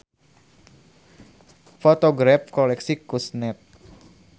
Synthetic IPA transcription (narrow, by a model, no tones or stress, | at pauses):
fot̪oɡɾafkɔlɛksikusnɛt̪̚